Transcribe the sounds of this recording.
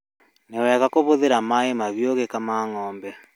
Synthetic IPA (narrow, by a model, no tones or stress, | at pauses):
newɛɣakoβoðeɾamaemaβjoɣekamaːŋɔːmbɛ